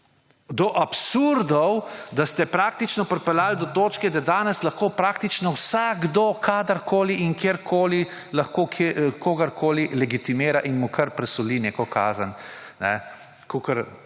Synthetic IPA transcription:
d̪ɔʔapsuɾd̪ɔwd̪ast̪ɛpɾaːk̚t̪it͡ʃnɔpɾɛpɛlaːld̪ɔt̪oːt͡ʃkɛd̪ad̪aːnɛslɐxkoːpɾaːkt̪it͡ʃnɔwsaɡd̪okʰaːd̪əɾkoːliʔiŋkeːɾkʰoːli | lɐxkoːkʰekʰoːɡɐɾkʰoːlilɛɡit̪imeːɾaʔinmukʰɐɾpɾɛsɔlineːkɔka̰ːzənnɛ̰ | kʰokəɾ

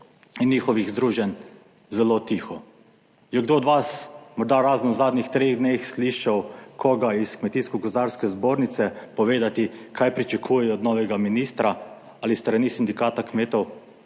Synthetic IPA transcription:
inːiːxɔʋiɣzd̪ɾuːʒɛn | zɛlot̪iːxɔ | jɛɡd̪oɔd̪ʋasmɔɾd̪aɾaːzənzaːd̪nixt̪ɾeːɣd̪neːxsliʃawkʰɔɡaiskmɛt̪iːskɔɡɔzd̪aɾskɛzboːɾnit̪sɛpɔʋeːd̪at̪ikʰajpɾit͡ʃakʰuːjɛjɔːd̪nɔːʋɛɡaminist̪ɾa | alist̪ɾanisind̪ikaːt̪akmeːt̪ɔw

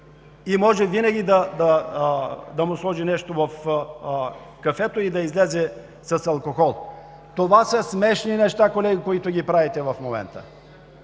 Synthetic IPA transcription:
imɔʒɛvinɐɡʲid̪ɐd̪ɐ | d̪ɐmʊslˠɔʒinɛʃt̪ovɐf | kɐfɛt̪oid̪ɐizlɛzɛ | sɐsɐlˠkoxɔlˠ | t̪ovasəsmɛʃninɛʃt̪akolɛɡʲikoit̪ʊɡʲipɾavɛt̪ɛvɐfmomɛ̰nt̪ə̰

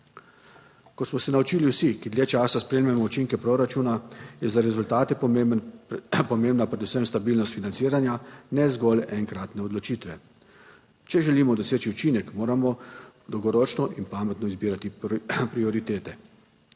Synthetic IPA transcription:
kɔsmɔsɛnaut͡ʃiːliwsikid̪ljeːt͡ʃaːsaspɾeːmjɛmɔut͡ʃiŋkɛpɾoɾat͡ʃuːnajɛzaɾɛzult̪aːt̪ɛ | pɔmeːmnapɾɛd̪usɛmst̪abiːlnɔst̪finansiːɾanjanɛzɡɔlɛŋkɾaːt̪nɛɔd̪lɔt͡ʃiːt̪ʋɛ | t͡ʃɛʒɛliːmɔd̪ɔseːt͡ʃiut͡ʃiːnɛkmoːɾamɔd̪ɔwɡɔɾɔːt͡ʃnɔʔinpaːmɛt̪nɔizbiːɾat̪ipɾiɔɾit̪eːt̪ɛ

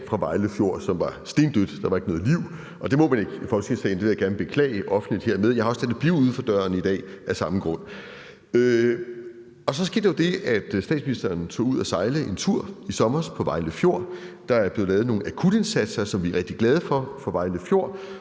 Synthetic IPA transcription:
fʁɑ̈ʋɑ̈ɪləfjo̝̰ɐ̰sɒ̽mʋɑ̈sd̥e̝ːnd̥ød̥d̥ɑ̈ʋɑ̈e̝ɡ̥nɔ̽ːðˠliʊ̰ | ʔɒ̽d̥e̝mɔ̽mæne̝ɡ̥ifɒ̥̽sɡesɛːnd̥eʋe̝jæɡ̥æɐnəb̥e̝kʰlɛ̰ːɪəʔɒ̽fn̩lid̥he̝ɐ̰meðˠjɑhɒst͡sʰæd̥ð̩ˠb̥iʊuð̞ˠfɒ̽d̥ɶɐnid̥ɛ̰ːʔæsɑ̈məɡ̥ʁɔ̽n̰ | ø | ɒ̽sɒ̽s̬ɡ̥e̝d̥ejo̝d̥e̝ʔæd̥sd̥ɛ̰ːdsminisd̥ɐːnt͡sʰo̰ːuð̞̰ˠæsɑ̈ɪləʔe̝nt͡sʰuɐ̰isɒ̽mɐspʰɒ̽ʋɑ̈ɪləfjo̝ɐ̰d̥ɑ̈æɐb̥le̝ːð̩ˠlɛːð̩ˠno̝ːŋn̩ækʰud̥e̝nsæd̥sɐsɒ̽mʋiʁɛɡ̥̚d̥iɡ̥lɛð̞ˠfɒ̽fɒ̽ʋɑ̈ɪləfjo̝ɐ̰

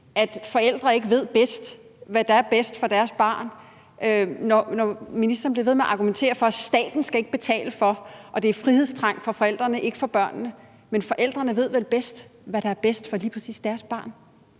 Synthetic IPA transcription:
ʔæd̥fɒ̽el̰d̥ʁɐe̝ɡ̥əʋe̝ð̞̰ˠb̥esd̥ | ʋæd̥ɑ̈æɐb̥esd̥fɒ̽d̥æɐsb̥ɑ̰̈ːn | ønɒnɒminisd̥ɐnb̥leʋe̝ð̞ˠmeæɐʔɑ̈ɡ̥ument͡sʰe̝̰ːɐfɒ̽æ̥sd̥ɛ̰ːd̥n̩sɡ̥æe̝ɡ̥əb̥e̝t͡sʰɛ̰ːləfɒ̽ʔɒ̽d̥e̝æɐfʁiheð̞̰ˠst͡sʰʁɑ̈ŋ̰fɒ̽fɒ̽el̰d̥ʁɐnəʔe̝ɡ̥əfɒ̽b̥ɶɐ̰nːə | menfɒ̽ʔel̰d̥ʁɐnəʋe̝ð̞̰ˠʋelb̥esd̥ʋæɾ̥ɑ̈æɐb̥esd̥fɒ̽liːpʰɐ̥sḭːsd̥æɐsb̥ɑ̈ːn

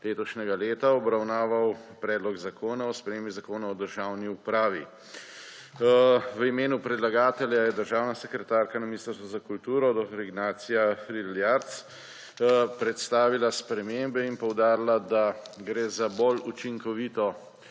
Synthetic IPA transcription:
leːt̪ɔt͡ʃnɛɡaleːt̪aɔbɾawnaːʋawpɾɛːd̪lɔɡzakʰoːnaɔspɾɛmeːmbizakoːnaɔd̪əɾʒawniupɾaːʋḭ | ʋəimeːnupɾɛd̪laɡaːt̪ɛljajɛd̪əɾʒaːwnasɛkɾɛt̪aːɾkanaminiːst̪əɾst̪ʋɔzakult̪uːɾɔd̪ɔfɾiɡnaːt̪sijafɾiljaɾt̪s | pɾɛt̪st̪aːʋilaspɾɛmeːmbɛinpɔwd̪aːɾilad̪aɡɾeːzabolut͡ʃiŋkɔʋiːt̪ɔ

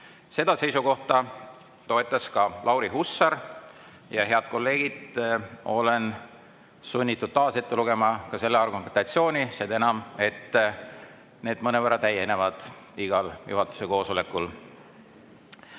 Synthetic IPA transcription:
se̞d̪̥ɑse̞jsuko̞ht̪ɑ | t̪o̞e̞t̪ˑːɑskɑlʔɑwɾiɦusːɑɾ | jɑɦe̞ɑd̪̥ko̞lːe̞ːɡ̥id̪̥ | o̞̰le̞n | sunʲːit̪ːˑud̪̥̚t̪ɑːse̞t̪ːe̞luɡe̞mɑkɑse̞lːeɑrɡument̪ɑt̪sio̞ːnʲised̪e̞nɑme̞t̪ː | ne̞ːd̪mɤnevərːɑt̪æjːene̞vɑd̪̥ | iɡ̥ɑljuɦɑt̪ːˑu̥se̞ko̞ːso̞le̞kːˑul

